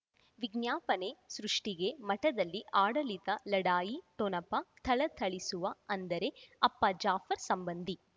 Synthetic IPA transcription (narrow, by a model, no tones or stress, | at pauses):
ʋiɡnjaːpɐnesɾuʂʈiɡe̞mɐʈɐd̪ɐlːiʔaːɽɐlit̪ɐlɐɽaːjiʈonɐpɐt̪ʰɐɭɐt̪ʰɐɭisuʋɐɐnd̪ɐɾe̞ɐpːɐd͡ʒaːfɐɾsɐmbɐnd̪ʱi